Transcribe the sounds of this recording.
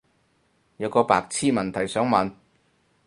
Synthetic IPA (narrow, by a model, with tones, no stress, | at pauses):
jɐ˨˧wkɔː˧pa̰ː˨˧k̚t͡sʰiː˥mɐ˨˩nt̪ʰɐ˨˩jsœː˨˥ŋmɐ˨n